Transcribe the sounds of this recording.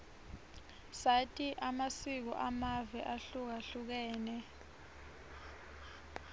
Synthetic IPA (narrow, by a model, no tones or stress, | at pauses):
satʼiʔamasik̬ɔ̰ʔamavɛʔaɬuk̬aɬuk̬ɛːnɛ